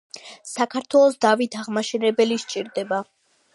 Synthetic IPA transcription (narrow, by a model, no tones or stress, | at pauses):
sakʰaɾt̪ʰwɛlˠɔsd̪avit̪ʰaʁmaʃɛnɛbɛliʃt͡ʃʼiɾd̪ɛba